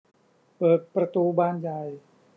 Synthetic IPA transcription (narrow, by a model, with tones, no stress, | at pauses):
pɤː˨˩t̪̚pɾa˧t̪uː˧baː˧nja˨˩j